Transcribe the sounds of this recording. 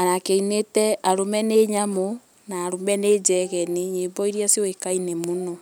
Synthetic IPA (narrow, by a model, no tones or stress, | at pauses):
anakeinetɛaɾomɛneɲamo | naːɾomɛneːd͡ʒɛɣɛneɲeːbɔiɾiaseoekainemuno